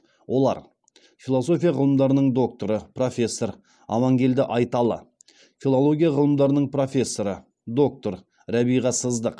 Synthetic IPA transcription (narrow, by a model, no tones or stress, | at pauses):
wo̞lˠɑ̰ɾ | fʲilˠo̞so̞fʲijɑʁəlˠəmd̪ɑɾənəɴd̪o̞k̚t̪o̞ɾəpro̞fʲe̞sːo̞ɾ | ɑ̰mɑŋɡʲe̞ld̪ɪʔɑjt̪ɑlˠə̰ | fʲilˠo̞lˠo̞ɡʲijɑʁəlˠəmd̪ɑɾənəɴpro̞fʲe̞sːo̞ɾə | d̪o̞k̚t̪o̞ɾ | ɾæbijʁɑsəzd̪əq